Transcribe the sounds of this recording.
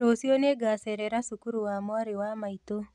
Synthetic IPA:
osioneɡasɛɾɛɾasukuɾuwamwaɾewamaito

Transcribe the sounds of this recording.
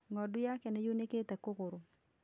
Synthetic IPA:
ŋɔdʊjakɛnɛjoneket̪akokoɾo

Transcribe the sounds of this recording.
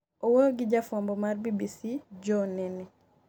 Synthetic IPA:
ɔwɔɡiɟafɔmbɔmaɾbibisiɟɔnɛni

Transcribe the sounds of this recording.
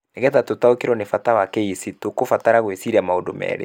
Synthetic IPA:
neɣɛtatotaokeɾɔnefatawakeisitokofataɾaɣwesiɾiamaodomɛ̰ɾḛ

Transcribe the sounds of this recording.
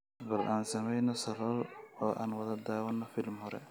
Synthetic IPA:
bɐlʔaːnsɐmɛjnɔsɐlɔlɔːʔa̰ːnwɐðɐd̪aːwɐnːɔfɪlmhɔɾɛ̰

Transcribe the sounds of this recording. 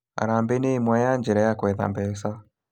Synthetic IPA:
a̰ɾaːmbeneimwajaɲd͡ʒɛɾɛjakwɛða̰mbɛsa

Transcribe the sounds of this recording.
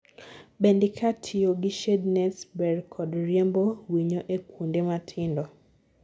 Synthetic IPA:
bendɪkʰatʰioɡiʃednɛsbɛrkʰɔdɾjembowiɲoʔekwondematʰɪndɔ

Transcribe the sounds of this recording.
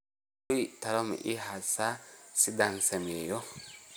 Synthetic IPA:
ʊjt̪ɐɾɔmɛ̰ʔɪɦasasɪd̪ɐnsɛmeːjɔ

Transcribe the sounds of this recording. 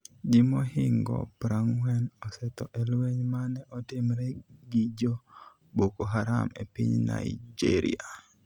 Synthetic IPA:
d͡ʒimohɪŋɡɔ̰pɾaŋwɛnɔsɛtɔʔɛlweɲmanɛʔɔtɪmɾɛɡid͡ʒo | bokoɦaɾa̰mḛpḭɲna̰ɪd͡ʒḛɾḭa

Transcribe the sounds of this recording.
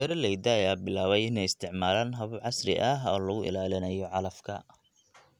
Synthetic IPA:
ɛɾɐlɛjd̪ɐɐjaːbɪlaːβɛjɪnɛjɪst̪ʰɪʕmaːlaːnɦɐβʕɑsrɪ̰ʔɐɦɔːlɐɣʊʔɪ̰laːlɪnɐjɔʕɑlɐfkʰɐ

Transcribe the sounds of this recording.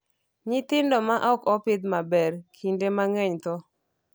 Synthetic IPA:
ɲɪt̪ɪndɔmaʔɔkɔpɪd̪mabɛrkʰindemaŋɛɲt̪ɔ

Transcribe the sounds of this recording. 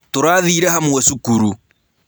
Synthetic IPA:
toɾaːðiɾɛhamwɔsukuɾu

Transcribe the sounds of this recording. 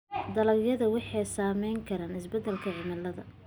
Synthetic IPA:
d̪ɐlɐbjɐðɐwɑħɑjsaːmɛjŋkʰɐɾaːnɪsbɛd̪ːɛlkʰɐʕɪmɐlɐðɐ̰

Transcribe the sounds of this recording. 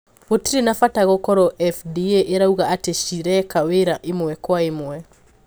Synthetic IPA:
βotiɾenafataɣɔkɔɾɔʔɛfdieʔeɾauɣaateʃiɾɛkaweɾaʔemwɛkwaemwɛ

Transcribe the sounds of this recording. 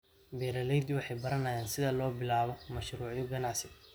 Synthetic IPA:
bɛːɾɐlɛjd̪ɪwɑħɑjbɐɾɐnɐjaːnsɪðɐlɔːbɪlaːβɔmɐʃɾuːʕjʊɡɐnɑʕsɪ

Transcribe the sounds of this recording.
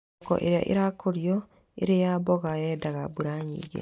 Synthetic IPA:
kɔ̰ʔḛɾja̰ʔḛɾakoɾjɔ | ḛɾejabɔɣajɛdaɣabuɾaɲḭːɡḛ

